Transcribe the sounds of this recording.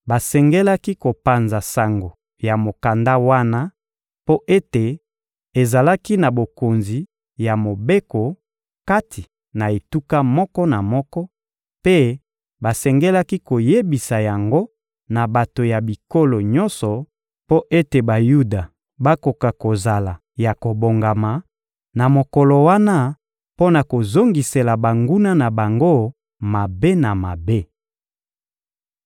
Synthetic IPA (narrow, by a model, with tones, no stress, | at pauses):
ba˨sɛ˨ŋɡɛ˦la˦ki˦ko˨pa˨nza˨sa˨ŋɡo˨ | ja˨mo˨ka˨nda˦wa˦na˦ | po˦ʔe˦te˨ | e˨za˨la˦ki˦na˨bo˨ko˨nzi˨ | ja˨mo˨be˦ko˨ | ka˦tʰi˨ | na˨e˨tu˦ka˦mɔ˦kɔ˦na˨mɔ˦kɔ˦ | pe˦ | ba˨sɛ˨ŋɡɛ˦la˦ki˦ko˨je˦bi˨sa˨ja˨ŋɡo˦ | na˨ba˨to˨ja˨bi˨ko˦lo˨ɲɔ˦nsɔ˨ | po˦ʔe˦te˨ba˨ju˦da˨ | ba˦ko˨ka˨ko˨za˨la˨ | ja˨ko˨bo˨ŋɡa˨ma˨ | na˨mo˨kɔ˨lɔ˨wa˦na˦ | po˦na˨ko˨zo˦ŋɡi˨se˨la˨ba˨ŋɡu˦na˦na˨ba˨ŋɡo˦ | ma˨be˦na˨ma˨be˦